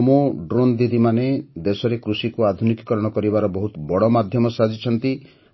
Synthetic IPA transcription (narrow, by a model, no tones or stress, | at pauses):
moɖɾond̪id̪ʱimaned̪esɔɾekɾusikuad̪ʱunikkɔɾɔɽ̃ɔkɔɾibaɾɔbɔɦut̪bɔɽɔmad̪ʱjɔmɔsad͡ʒit͡ʃʰɔnt̪i